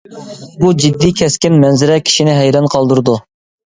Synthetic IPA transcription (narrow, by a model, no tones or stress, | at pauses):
bud͡ʒid̪ːikʲʰɛskʲɪnmɛnzɪɾɛkʲʰi̥ʃinɪɦɛjɾɑnqʰɑlˠd̪uɾɨd̪u